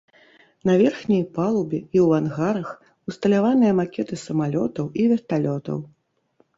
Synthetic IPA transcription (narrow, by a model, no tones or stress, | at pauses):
nɐvʲɛrxnʲɐjpalˠubʲɛiwvanɣaɾɐx | ust̪ɐlʲavanɨjɐmakʲɛt̪ɨsɐmalʲɔt̪ɐwivʲɛrt̪alʲɔt̪ɐ̰w